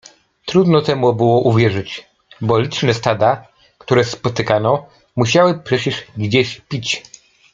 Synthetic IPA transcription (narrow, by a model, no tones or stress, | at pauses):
t̪ɾud̪nɔt̪ɛmubɘwɔʔuvʲjɛʐɘt͡ɕ | bɔlʲit͡ʂnɛst̪ad̪a | kt̪uɾɛspɔt̪ɘkanɔ | muɕawɘpʂɛt͡ɕɛʂɡd͡ʑeɕpʲit͡ɕ